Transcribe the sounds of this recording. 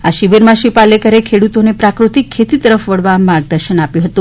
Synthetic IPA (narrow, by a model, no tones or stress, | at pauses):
aʃiʋəɾmãʃipalekəɾekʰeɽut̪onepɾakɾut̪ikʰːet̪it̪əɾəfʋəɽʋamaɾɡ̚d̪əɾʃənapjũɦət̪ũ